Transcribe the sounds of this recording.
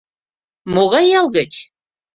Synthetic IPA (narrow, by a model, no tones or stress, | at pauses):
moɣɑjɑlˠɣə̆t͡ɕ